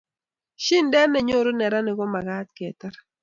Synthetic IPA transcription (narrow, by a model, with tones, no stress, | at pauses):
ʃi˦ndɛ˦nːɛ˨ɲo˦ɾo˦nɛ˨ɾa˦nɪ˨ɡɔ˦ma˨ɡat̪kɛ˨t̪a˦ɾ